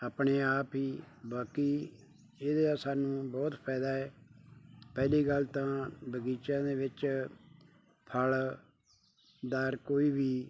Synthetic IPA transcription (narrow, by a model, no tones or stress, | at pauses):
aːpɳeːaːpɦiːbaːkiː | eːd̪eːaːsaːnũːbɔːt̪pʰɛːd̪aːɛː | pɛːliːɡəlt̪ãːbəɡiːt͡ʃãːd̪eːʋɪt͡ʃ | pʰəl | d̪aːɾkoːiːbiː